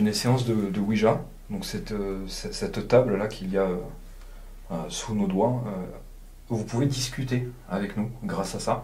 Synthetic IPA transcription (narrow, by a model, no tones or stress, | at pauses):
yneseɑ̃sd̪əd̪əwiʒa | d̪ɔ̃ksɛt̪øsɛsɛt̪t̪ːabllakʲʰiljaø | øsunod̪waø | vupuved̪iskʲyt̪e | avɛknuɡʁasasa